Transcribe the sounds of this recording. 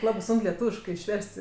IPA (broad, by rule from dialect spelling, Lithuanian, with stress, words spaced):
ˈlˠɑːbɜ ˈsʊŋk lʲɛˈtuːʋʲɪʃkɜ ɪʃʲˈʋʲɛrʲsʲtʲ